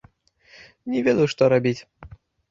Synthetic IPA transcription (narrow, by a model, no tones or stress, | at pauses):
nʲɛvʲɛd̪ɐjʂt̪ɔɾabʲit͡sʲ